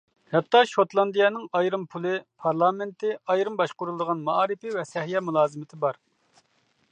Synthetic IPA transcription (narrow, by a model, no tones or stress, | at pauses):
hɛt̪ːɑʃot̪lˠɑnd̪ijɛnɨŋɑjɾɨmpʰulˠɨpʰɑɾlˠɑːmɪnt̪ʰɪɑjɾɨmbɑʃqʊɾulˠd̪əʁɑnmɑɑːɾɪpɪvɛsɛhjɛmulˠɑːzɨmɪt̪ʰɪbɑɾ